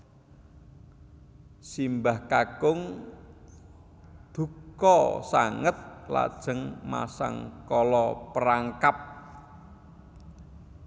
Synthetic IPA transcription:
simbahkaɡ̥ʊŋ | d̪̥ṳkɔsaŋət̪̚la̰d̥ʒ̥ə̤ŋma̰sa̰ŋkɔlɔpəɾaŋkap̚

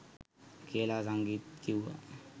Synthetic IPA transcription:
keːlas̬aŋɡiːt̪̚kiua̰

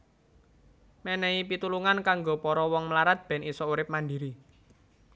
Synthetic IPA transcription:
mɛnɛipit̪uluŋankaŋɡopɔɾɔwɔŋmlaɾat̪̚b̥ɛ̤nʔisɔuɾɪp̚mandiɾi

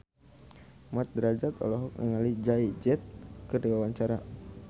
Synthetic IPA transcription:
mat̪̚dɾad͡ʒat̪ɔ̰lɔɦɔk̚nəŋalid͡ʒaid͡ʒɛt̪̚kɨrdiwawaɲt͡ʃaɾa

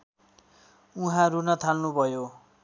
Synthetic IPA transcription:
uɦãɾunʌt̪ʰalnubʱʌjo

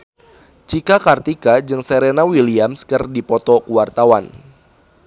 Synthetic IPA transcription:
t͡ʃikakart̪ikad͡ʒɨŋseɾenawiliamskərdipɔt̪ɔkuwart̪awan

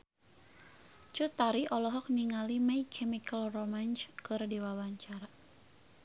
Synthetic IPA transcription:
t͡ʃut̪aɾiʔɔlɔɦɔk̚niŋalimajkʰɛmikəlromant͡ʃkɨrdiwawaɲt͡ʃaɾa

